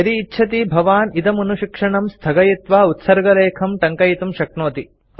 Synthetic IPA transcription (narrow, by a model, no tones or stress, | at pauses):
ɐɾiːtːt͡ʃʰɐt̪ibʱɐʋaːnit̪ɐmunuʃikʂɐɳɐmst̪ʰɐɡɐjit̪ʋaːut̪sɐɾɡɐleːkʰɐmʈɐŋkɐjit̪umʃɐknoːt̪i